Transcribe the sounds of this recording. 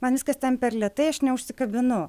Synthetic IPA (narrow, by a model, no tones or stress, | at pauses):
mɐnʋʲɪskɐst̪ʲɛnpʲɛɾlʲɛt̪ɐɪɐʃnʲɛʊʃʲsʲɪkɐbʲɪnʊ